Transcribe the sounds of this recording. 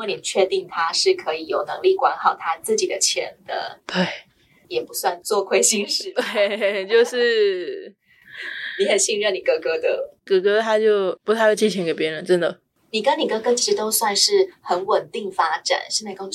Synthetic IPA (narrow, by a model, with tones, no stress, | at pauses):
ni˨˩˦t͡ɕʰɥɛ˥˧t̪i˥˩ŋt̪ʰa˥ʂɻ̩˥˩kʰɤ˧˥i˨˩jo˨˩ʊnɤ̰˧˥ŋli˥˩kwa˧˥nxɑ˨˩ʊt̪ʰa˥t͡sɹ̩˥˩t͡ɕi˨˩d̪ə˦t͡ɕʰjɛ̰˧˥nd̪ə̰˧t̪we˥˩ɪ | jɛ˨˩pu˧˥swa˥˧nt͡swɔ˥˧kʰwe˥˧ɪɕi˥˧ŋʂɻɻ̩˥˩t̪we˥˩t͡ɕjo˥˧ʊʂɻ̩˥˩ | ni˧˥xə˨˩nɕi˥˧ŋɻə˥˩nni˨˩kɤ˧˥kɤ˧˥d̪ə˨kɤ˧˥kɤ˥t̪ʰa˥t͡ɕjo˥˩ʊpu˧˥t̪ʰa˥˧ɪ˥˩t͡ɕʰi˥˩t͡ɕʰɛ˧˥ŋke˨˩ɪpjɛ˧˥ɻə˧˦nʈ͡ʂə˥nd̪ə˨˩ | ni˨˩kə˥ni˨˩kɤ˧˥kɤ˧˥t͡ɕʰi˧˥ʂɻ̩˧˥˧t̪o˥ʊswa˥˧nʂɻ̩˥˩xə˧˥nwə˨˩nt̪i˥˩ŋfa˥ʈ͡ʂa̰˨˩˦nɕjɛ˥˧nt͡sɪko˥˧